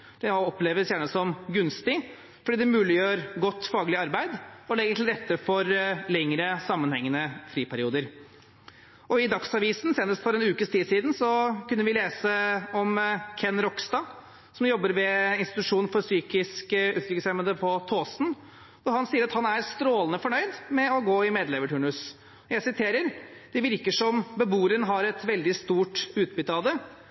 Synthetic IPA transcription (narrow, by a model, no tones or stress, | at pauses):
d̪̥ɛɔpleːʋəsjæːɳəsɔmɡʉnst̪ɪ | fɔɖiːd̪ɛmʉːlɪjøːɾɡɔt̪ːfɑːɡəlɪɑɾbæɪd̪ɔlɛɡəɾt̪ʰɪlɾɛt̪ːəfɔɾlɛŋɾəsɑmːənhɛŋːənəfɾiːpʰæɾɪuːd̪əɾ | ʔɔɪd̪ɑksɑʋiːsn̩seːnəst̪fɔɾɛnʉːkəst̪ʰiːd̪siːd̪n̩sɔkʉnːəʋɪleːsəɔmkʰɛnːɾɔkst̪ɑ | sɔmjɔbːəɾʋɛɪnst̪ɪt̪ʉʂuːnfɔɾsyːkɪskəʉːt̪ɾʏkːəsɛmənd̪əpʰɔt̪ʰoːsn̩ | ʋʊɾhɑnsiːəɾɑt̪hɑnæɾst̪ɾoːlənəfɔɳœʏd̪mɛɔɡoːɪmeːd̪lɛʋəʈʰʉːɳʉs | ɔjæɪsɪt̪ʰeːɾəɾd̪̥ɛʋɪɾkəʂɔmbəbuːɾənɦɑɾɛt̪ʋɛld̪ɪst̪uːʈʉːt̪̚bʏt̪ːɑʋd̪ə